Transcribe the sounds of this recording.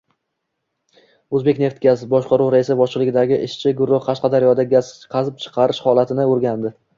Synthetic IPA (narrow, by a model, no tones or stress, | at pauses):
ɵzbe̞kʲne̞ft̪ɡʲazbɒʃqʰɑɾuwɾaɪsɪbɒʃlˠɪɡʲɪd̪aɡʲɪʔɪʃt͡ʃʰɪɡʊɾːʊhqʰɑʃqɑd̪aɾjɒd̪aɡʲaz̥qʰɑzɪp̚t͡ʃʰɨ̥qʰɑɾɪʃhɒlˠat̪ʰɪnɪoɾɡʲand̪ɪ